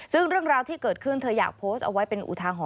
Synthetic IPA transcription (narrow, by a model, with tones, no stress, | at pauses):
sɯ˥˩ŋɾɯ˥˩əŋɾaː˧wt̪ʰiː˥˩kɤː˨˩t̪̚kʰɯ˥˩nt̪ʰɤː˧ja̰ː˨˩k̚pʰoː˦˥st̪̚ʔa̰˧wa˦˥jpe˧nʔṵ˨˩t̪ʰaː˧ɦɔː˩˦